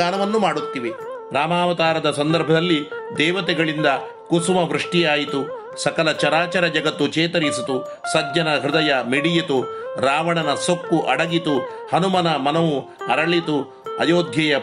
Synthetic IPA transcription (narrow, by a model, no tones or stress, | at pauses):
aːnɐʋɐnːumaːɽut̪ːiʋe | ɾaːmaːʋɐt̪aːɾɐd̪ɐsɐnd̪ɐɾbʱɐd̪ɐlːid̪ɛːʋɐt̪ɛɡɐɭind̪ɐ | kusumɐʋɾuʂʈijaːjit̪u | sɐkɐlɐt͡ʃɐɾaːt͡ʃɐɾɐd͡ʒɐɡɐt̪ːut͡ʃɛːt̪ɐɾisit̪u | sɐd͡ʒɲɐnɐɦɾud̪ɐjɐmiɽijɐt̪uɾaːʋɐɳɐnɐsokːuʔɐɽɐɡit̪uhɐnumɐnɐmɐnɐʋuɐɾɐɭit̪u | ɐ̰joːd̪ʱjɐjɐ